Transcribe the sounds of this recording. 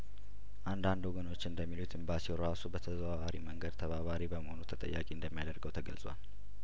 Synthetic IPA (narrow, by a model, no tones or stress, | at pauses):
ʔand̪and̪woɡəno̞t͡ʃːɨnd̪əmːilhut̪ɨmbasiɾasubət̪ʰəzəβaβaɾiməŋɡəd̪t̪ʰəβaβaɾibəməho̞nut̪ʰət̪ʼə̰jːa̰kʼiɨnd̪əmːijad̪əɾɡəwt̪ʰəɡəlsʼwa̰l